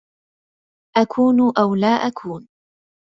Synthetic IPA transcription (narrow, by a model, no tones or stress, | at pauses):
ʔakʰuːnʊʔawlaːʔakʰuːn